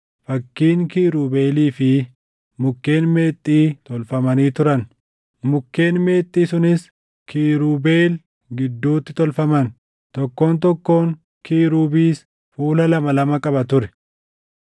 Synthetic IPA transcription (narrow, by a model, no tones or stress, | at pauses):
fɐkːiːŋkiːɾuːbe̞ːliːfɪ | mʊkːe̞ːnme̞ːt̪ʼːiːt̪ɔlfɐmɐniːt̪ʊɾɐn | mʊkːe̞ːnme̞ːt̪ʼːiːsʊnɪs | kʰiːɾuːbe̞ːl | ɡɪd̪ːuːt̪ːɪt̪ɔlfɐmɐn | t̪ɔkːo̞ːnt̪ɔkːo̞ːŋ | kiːɾuːbiːs | fuːlɐlɐmɐlɐmɐkʼɐbɐt̪ʊɾɛ̥